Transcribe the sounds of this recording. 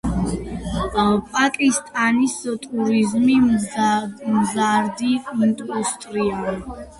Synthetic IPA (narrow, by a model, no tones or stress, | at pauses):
pʼakʼist̪ʼanist̪ʼuɾizmi | mzaɾd̪iint̪ʼɔst̪ʼɾia